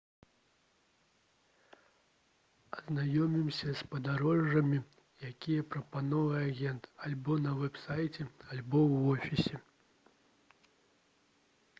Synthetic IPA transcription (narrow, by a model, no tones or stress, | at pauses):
ɐznajɔmʲimsʲɐspɐd̪aɾɔʐːɐmʲi | jakʲijɐpɾɐpanɔvɨaɣʲɛnt̪alʲbɔnɐvɛpsajt͡sʲɛalʲbɔwːɔfʲisʲɛ